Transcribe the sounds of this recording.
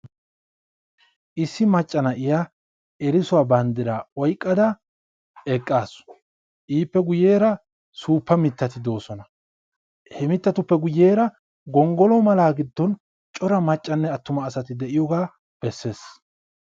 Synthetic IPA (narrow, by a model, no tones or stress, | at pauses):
ʔɪsːɪmɐt͡ʃʼːɐnɐʔɪja | ɛɾɪsʊwaːbɐnd̪ɪɾaːɔjkʼːɐd̪ɐ | ɛkʼːaːs | ʔiːpːɛɡʊje̞ːɾɐ | suːpːɐmɪt̪ːɐt̪ɪd̪o̞ːsɔnɐ | hɛmɪt̪ːɐt̪ʊpːɛɡʊje̞ːɾɐ | ɡɔŋɡɔlɔmɐlaːɡɪd̪ːɔn | t͡ʃʼɔɾɐmɐt͡ʃʼːɐnːɛɐt̪ːʊmɐːsɐt̪ɪd̪ɛʔɪjɔɡaː | b̥ɛsːe̞ːs